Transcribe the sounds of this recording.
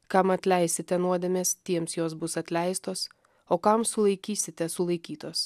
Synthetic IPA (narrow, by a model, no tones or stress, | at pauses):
kɐmɐt̪ʲlʲɛɪsʲɪt̪ʲɛnuɔd̪ʲemʲeːst̪ʲiɛmsjoːs̬bʊsɐt̪ʲlʲæɪst̪oːs | oːkɐmsʊlˠɐɪkʲiːsʲɪt̪ʲɛsʊlˠɐɪkʲiːt̪oːs